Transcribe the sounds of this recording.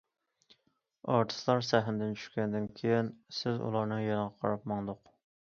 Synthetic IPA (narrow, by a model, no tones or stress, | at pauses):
ɑɾt̪ʰɨ̥st̪ɑɾsæɦnd̪ɪnt͡ʃʰy̥ʃkʲɛnd̪ɪnkʲʰejɪnsɪzṵlˠɑɾnɨjɑnəʁɑqʰɑɾɑpmɑŋd̪ʊq